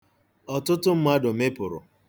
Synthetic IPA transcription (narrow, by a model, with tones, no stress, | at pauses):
ɔ˨tʊ˦tʊ˦m̩˦m˦a˦dʊ˨me˦pʊ˨ɾʊ̰˨